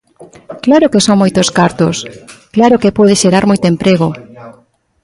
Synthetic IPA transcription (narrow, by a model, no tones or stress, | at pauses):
klaɾʊkesoŋmojt̪oskaɾt̪ʊsklaɾʊkepɔðeʃeɾaɾmojt̪ʊempɾeɣo